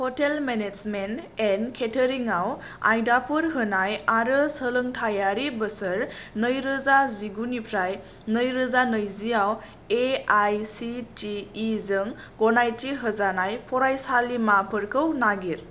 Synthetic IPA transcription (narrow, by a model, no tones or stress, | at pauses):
hɔtelmened͡ʒmentenkʰetʰəɾiŋaw | a̰jdapʰɯɾɦɯnajaɾɯsələŋtʰajaɾibəsəɾnəjɾɯzaziɡunipʰɾaj | nəjɾɯzanəjzijaw | eajsitʰiːzɯŋ | ɡɔnajtiɦəzanajpʰɔɾajsalimapʰɯɾkʰəwnaɡiɾ